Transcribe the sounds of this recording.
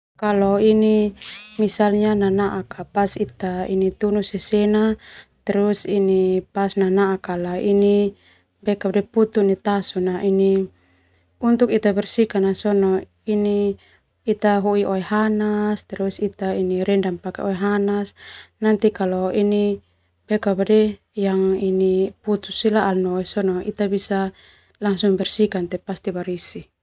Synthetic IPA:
kalɔinimisalɲananaʔakapasit̪aḭnit̪unusɛsɛnat̪ɛɾusinipasnanaakalaini | bɛkap̚dɛput̪unit̪asɔnaʔini | unt̪ukit̪abɛrsikanasɔnɔ | iniː | t̪aɦuiʔoɛɦanast̪ɛɾɔisit̪ainiɾɛndampakɛ̰ɔɛɦanasnant̪ikalɔini | bɛkabadɛ | jaŋiniput̪usilaʔalnɔɛsɔnɔḭt̪abisa | laŋsuŋbɛrsikant̪ɛpast̪ibaɾisi

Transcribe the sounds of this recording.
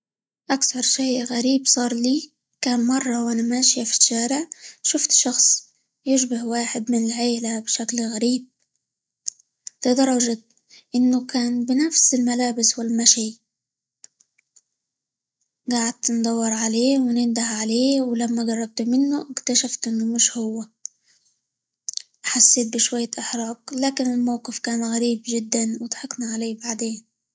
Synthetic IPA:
ʔakθɑɾˤʃajɣaɾiːbsˤɑːɾˤliː | kaːnmɑrˤːɑwʔanamaːʃjafi̥ʃːaːɾɪʕʃʊft̪ʃɑxsˤ | jɪʃbahwaːħɪd̪mɪnɪlʕeːlabʃaklɣaɾiːb̚ | lɪd̪ˤɑɾˤːɑʒa | ʔɪnːʊkaːnbɪnafsɪlmalaːbɪswɪlmaʃiː | ɡaːʕad̪nd̪ˤɑwːɪɾˤʕaleːwɪnɪnd̪aʕʕaleːwɪlamːaɡɑrˤːɑɡ̚t̪ʊmɪnːʊʔɪkt̪aʃaft̪ʔɪnːʊmɪʃhʊwːa | ħasːeːt̪̚bɪʃwajːaʔɪħɾˤɑːɡlaːkɪnɪlmawqɪfkaːnɣaɾiːbʒɪd̪ːanwɪt̪ħaknaʕaleːbaʕd̪eːn

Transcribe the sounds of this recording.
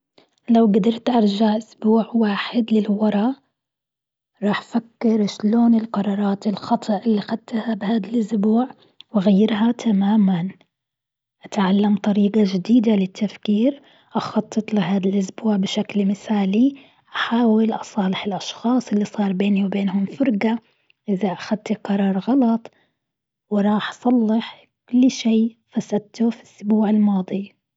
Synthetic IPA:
lawɡad̪ɑɾˤt̪ʔɑɾˤʒaʕʔʊsbuːʕwaːħɪd̪lɪlwɑɾˤɑ | ɾˤɑːħfakːɪɾʃloːnɪlqɑɾˤɑːɾˤɑːt̪ɪlxɑt̪ˤʰɨʔʔɪlːixad̪̚t̪ːahabɪhaːd̪alʔʊsbuːʕ | wɪɣajːɪɾɦat̪ʰamaːman | ʔat̪ʕalːamt̪ˤɑɾiːqaʒɪd̪iːd̪alɪt̪ʰːafkiːɾ | ʔɑxɑt̪ˤːɨt̪ˤlɪɦaːd̪alʔʊsbuːʕbɪʃaklmɪθaːli | ʔaħaːwɪlʔɑsˤɑːlɪħɪlʔɑʃxɑːsˤɪlːisˤɑːɾˤbeːniwbeːnɦʊmfʊɾˤɡa | ʔɪðaʔaxad̪̚t̪iqɑɾˤɑːɾˤɣɑlɑt̪ˤ | wɪɾˤɑːħʔɑsˤɑlːɪħ | kʊlːʃiːfasad̪̚t̪ʊfi̥sːbuːʕɪlmɑːd̪ˤi

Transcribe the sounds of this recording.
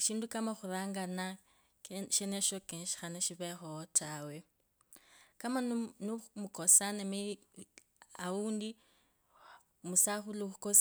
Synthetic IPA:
ʃiːndukamaxuraːŋɡana | ʃeneʃokenʃi̥xanaʃiβexootʰawe | kamanumukosanemi | auːndi | musaxuluxukos

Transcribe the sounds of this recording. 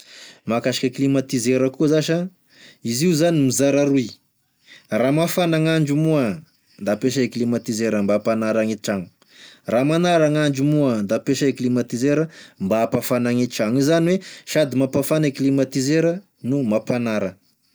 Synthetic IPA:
makaʃḁkʲəklimat̪izeɾəkuəzaʃa | iziuzanimizaɾaɾuj | ramafanaŋaɳd͡ʒumua | nd̪apeʃaeklimat̪izeɾəmbapanaɾaŋeʈ͡ʂaŋu̥ | ramanaɾaŋaɳd͡ʒumuand̪apeʃaeklimat̪izeɾəmbapafanaŋeʈ͡ʂaŋizaniweʃad̪imapafaneklimat̪izeɾə | numapanaɾə

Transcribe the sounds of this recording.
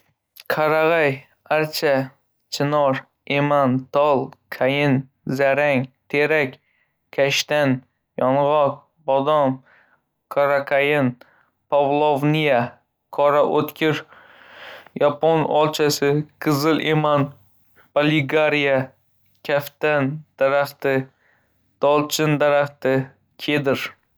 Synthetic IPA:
kʰaɾaʁaj | aɾt͡ʃʰa | t͡ʃʰɪnɒɾ | emant̪ʰɒlˠkʰajɪn | zaɾaŋt̪ʰeɾakʲ | kʲʰːaʃt̪an | jɒɴʁɒq̚ | bɒd̪ɒm | kʰaɾakʰajɪn | pʰavlˠovnija | kʰɒɾaʔot̪kʲʰɪɾ | japonɒlˠt͡ʃʰasɪqʰɨzɨlˠʔeman | b̥olɪɡaɾija | kʲʰaft̪and̪̥aɾaχt̪ɪ | d̪̥ɒlˠt͡ʃʰɪnd̪aɾaχt̪ɪ | kʲʰed̪ɪɾ

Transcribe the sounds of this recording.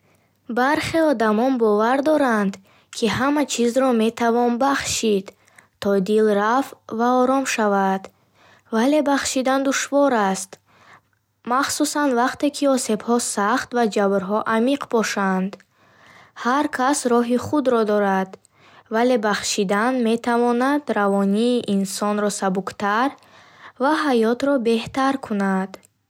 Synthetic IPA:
baɾχe̞ɔd̪amɔnbɔvaɾd̪ɔɾand̪ | kʰiɦamat͡ʃʰizɾɔme̞t̪ʰavɔnbaχʃid̪ | t̪ʰɔd̪ilɾafvaɔɾɔmʃavad̪ | vale̞baχʃid̪and̪uʃvɔɾast̪ | maχsusanvaqt̪e̞kʰiɔse̞bhɔsaχt̪vad͡ʒabɾɦɔʔamiqbɔʃand̪ | haɾkʰasɾɔɦiχud̪ɾɔd̪ɔɾad̪̥ | vale̞baχʃid̪anme̞t̪ʰavɔnad̪ɾavɔniːʔinsɔnɾɔsabukt̪ʰaɾ | vaɦajɔt̪ɾɔbe̞ht̪aɾkʰunad̪̥

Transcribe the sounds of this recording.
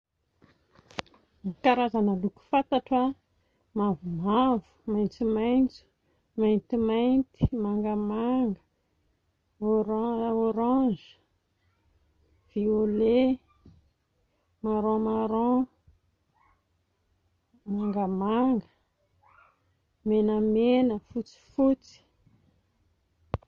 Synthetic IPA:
nikaɾazanəluku̥fat̪aʈ͡ʂa | mavumavu̥majnt͡simajnt͡si̥ | majnt̪imajnt̪i̥maŋɡamaŋɡə | oɾoɾãd͡ʒ | v̥iole | maɾõmaɾõ | maŋɡəmaŋɡə | menəmenəfut͡si̥fut͡si̥

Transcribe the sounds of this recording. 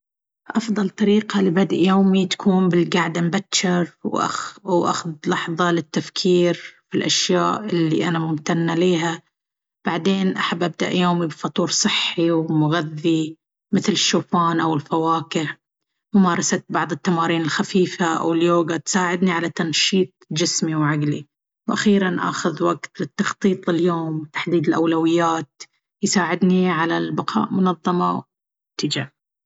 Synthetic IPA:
ʔɑfðˤɑlt̪ˤɑɾiːqalɪbad̪ʔjoːmit̪ḁkʰuːmbɪlɡaʕd̪ambat̪ːʃɪɾwʔa̰wʔa̰xʊd̪lɑħðˤɑlɪt̪ːafkʰiːɾfilʔaʃjaːʔɪlːiʔanamʊmt̪anːaliːɦa | b̥aʕd̪eːnʔaħabːʔab̚d̪a̰ʔjoːmibfɑt̪ˤuːɾsˤɨħːiwmʊɣaðːi | mɪθlɪʃːoːfaːnʔawɪlfawaːkɪʕ | mʊmaːɾˤɑsat̪̚bɑʕðˤɨt̪ːamaːɾiːnɪlxafiːfaʔa̰wɪljoːɡat̪saːʕɪd̪niʕalat̪anʃiːt̪̚ˤd͡ʒɪsmiwʕaɡli | wʔaxiːɾanʔa̰ːxʊðwaɡt̪lɪt̪ːɑxt̪ˤiːt̪ˤɪljoːmwt̪ḁħd̪iːd̪ɪlʔawlawɪjːaːt̪̚ | jsaːʕɪd̪niʕalalbɑqʰɑ̰ːʔmʊnɑðˤːɑmɑw | t̪ːɪd͡ʒa

